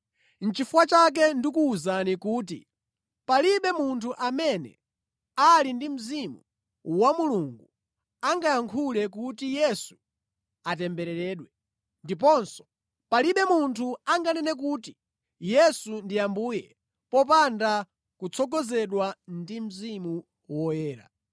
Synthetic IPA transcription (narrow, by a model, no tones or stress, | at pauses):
n̩t͡ʃifuwat͡ʃak̬ɛndikuːzanikuːtḭ | paliɓɛmuntʰuʔamɛnɛ̰ | alindim̩zimu | wamuluŋɡu | aŋɡajaŋkʰulɛkutijɛsu̥ | atɛmbɛɾɛɾɛːɗwɛ | ndip̬ɔnsɔ̥ | paliɓɛmuntʰuaŋɡanɛnɛk̬uːti | jɛsundiambuːjɛ | pɔp̬anda | kut͡sʰɔɡɔzɛɗwandim̩zimu | wɔjɛːɾa̰